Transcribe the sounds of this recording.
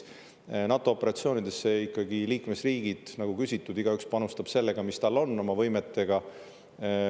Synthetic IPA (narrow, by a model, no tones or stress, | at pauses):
nɑt̪ːˑo̞opːeɾɑt̪sio̞ːnid̪̥e̞sːeikːɑɡiliːkme̞sriːɡ̥id̪̥nɑɡ̥ukysʲit̪ːˑud̪̥iɡ̥ɑykspɑnust̪ɑb̥se̞lːe̞ɡ̥ɑmist̪ɑlːo̞nːo̞mɑvɤjmet̪ˑːe̞ɡ̥ɑ